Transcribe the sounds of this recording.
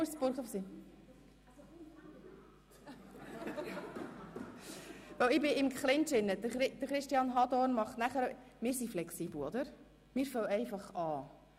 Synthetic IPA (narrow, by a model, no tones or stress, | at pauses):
usbʊɾχɔfsi | vœwɪbɪɪmkχlɪntɪnːəd̪əɾχɪd̪̥əɾχɾɪʃtiɑnɦɑdɔrnmɑχtnæχəɾ | mɪːɾsiflɛksiːbl̩ɔd̪əɾ | mɪːɾfœwɛɪfɑχɑː